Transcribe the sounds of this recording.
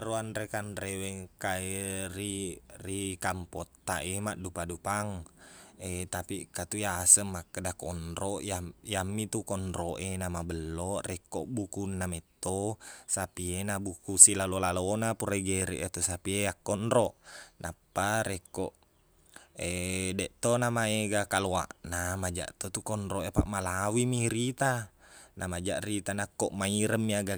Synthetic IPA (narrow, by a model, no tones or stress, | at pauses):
aɾuanɾekanrewɛŋkaeɾirikampot̪ːa̰ʔemaʔdupadupaŋ | et̪apikat̪ujasəmːakːədakɔnɾɔʔjajamːit̪ukɔnɾoʔenamabəlːoʔrʔekoʔbukunːamet̪ːosapienabukusilalolalonapuɾeɡeɾɛ̰ʔat̪usapieakːɔnɾɔʔnapːaɾekoʔ | edɛʔt̪onamaeɡakaloa̰ʔnamad͡ʒa̰ʔt̪ot̪ukɔnɾoʔepa̰ʔmalawimiɾit̪anamad͡ʒaʔrit̪anakːoʔmaiɾəmːiaɡa